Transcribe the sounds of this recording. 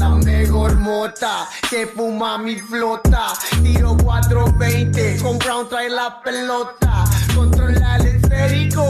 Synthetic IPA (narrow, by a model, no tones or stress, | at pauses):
and̪eɣoɾmot̪akepumamiflot̪at̪iɾokwat̪ɾoβẽj̃ñt̪ekompɾaũnt̪ɾajlapelot̪akõnt̪ɾolalesfeɾiko